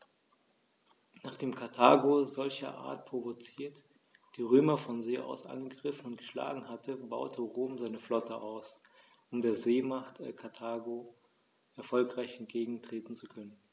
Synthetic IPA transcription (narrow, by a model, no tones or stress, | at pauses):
naːχd̥eːmkʰaɐtʰaːɡozɔlçɐ̰ʔa̰ːɐt̚pʁ̥ovot͡siːɐt | d̥iːʁøːmɐfɔnzeːʔa̰ʊsʔa̰nɡəɡʁɪfn̩ʊnt̚ɡ̥əʃla̰ːɡŋ̩hatʰəba̰ʊtʰəʁoːmzaɪnəflɔtəʔaʊs | ʊmdeːɐzeːmaχtɪkʰaɐtʰaːɡo | ʔɛɐfɔlkʁ̥aɪçɛnt̚ɡ̥eːɡŋ̩tʁ̥eːtn̩t͡sukʰœnən